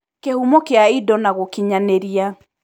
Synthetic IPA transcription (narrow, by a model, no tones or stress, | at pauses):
kehumɔkeaidɔnaɣokiɲaneɾia